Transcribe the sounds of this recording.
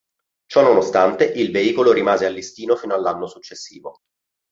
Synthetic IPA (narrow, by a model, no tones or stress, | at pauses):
t͡ʃɔnːonost̪ant̪eʔilveiːkoloɾimaːzealːist̪iːnofiːnoalːanːosut͡ʃːesːḭːvo